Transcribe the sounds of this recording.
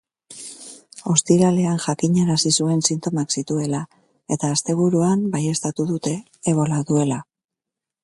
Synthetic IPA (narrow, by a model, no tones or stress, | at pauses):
o̞st̪iɾale̞anʝakiɲeɾasisue̞nsint̪o̞maksit̪ue̞la | e̞t̪aːst̪e̞β̞uɾuambaje̞st̪at̪uðut̪e̞ː | β̞o̞laðue̞la